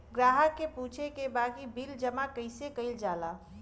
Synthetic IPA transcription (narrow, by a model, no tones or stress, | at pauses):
ɡɾaːɦəkːepuːt͡ʃʰekebaːkibild͡ʒəmakəɪsekəɪld͡ʒala